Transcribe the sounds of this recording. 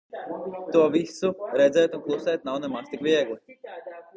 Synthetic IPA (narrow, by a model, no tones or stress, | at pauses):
t̪uɔvisuɾɛd̪zɛjt̪unklˠusɛjt̪nawnɛmast̪ikʋʲiɛɡlˠi